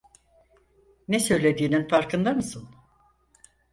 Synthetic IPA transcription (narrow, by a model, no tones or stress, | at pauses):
nɛsø̞jlʲed̪iːninfaɾkɯnd̪amɯsɯn